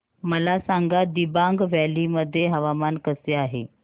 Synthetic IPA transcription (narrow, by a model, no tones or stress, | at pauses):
məlasaŋɡad̪ibaŋɡʋæliməd̪ʱːjeɦəʋamankəseaɦḛ